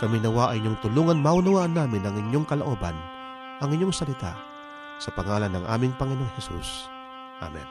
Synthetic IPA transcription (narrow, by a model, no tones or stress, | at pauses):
kɐmɪnɐwaʔɐŋɪɲːoŋt̪ʊluːŋɐnmaʔʊnɐwaːʔɐnːaːmɪnɐŋɪɲjoŋkɐloʔo̞ːbɐ̰n | ʔɐŋɪɲːoŋsɐlɪt̪a̰ | sɐpɐŋaːlɐnːɐŋʔa̰ːmɪŋpɐŋɪnooŋhɛsṵs | ʔa̰mɛ̰n